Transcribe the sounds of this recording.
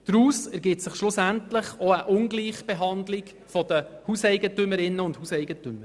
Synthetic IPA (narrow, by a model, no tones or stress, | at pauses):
d̥ɾuːsəɾɡɪtsəχʃlʊsæntlɪχoəʔʊŋɡliːχb̥ɛɦɑnd̪lɪɡ | fɔd̥̪əhuːsɛɪɡətʏməɾɪnːəʊndhuːsɛɪɡətʏmːəɾ